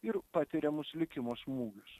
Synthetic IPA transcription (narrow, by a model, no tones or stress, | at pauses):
ɪɾpɑt̪ʲɪɾʲɛmʊsʲlʲɪkʲɪmoːsmuːɡʲʊs